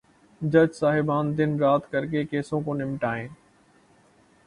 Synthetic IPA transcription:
d͡ʒəd͡ʒsaːɦɪbaːnd̪ɪnɾaːt̪kəɾkeːkeːsõːkõːnɪmʈaːẽː

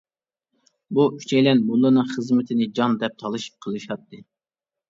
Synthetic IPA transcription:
buy̥t͡ʃʰɛjlɛnmulˠːɨnɨŋχəzmɪt̪ʰɪnɪd͡ʒɑnd̪ɛp̚t̪ʰɑlˠɨʃi̥p̚qʰəlˠɨʃɑt̪ʰːɨ

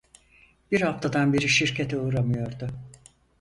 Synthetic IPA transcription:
b̥iɾhaft̪ʰad̪anbiɾiʃiɾcʰet̪ʰɛuːɾamɯjo̞ɾd̪ʊ

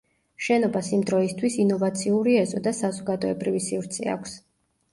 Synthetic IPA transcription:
ʃɛnɔbasimd̪ɾɔist̪ʰwisinɔvat̪sʰiuɾiɛzɔd̪asazɔɡad̪ɔɛbɾivisivɾt̪sʰɛ̰a̰kʰʷs

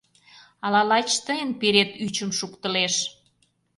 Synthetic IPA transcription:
ɑlɑlɑt͡ɕt̪əjənpeɾet̪yt͡ɕəmʃukt̪ə̆leʃ

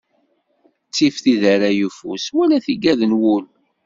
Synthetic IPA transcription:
t͡sːifθiðaɾajufṵswælæθiɡæðənwul

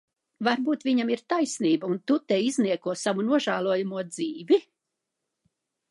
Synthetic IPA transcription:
vaɾbuːt̪vʲiɲamiɾt̪ajsniːbɐunt̪ut̪eizniɛkuɔsavunuɔʒaːlˠuɔjamuɔd̪ziːvi

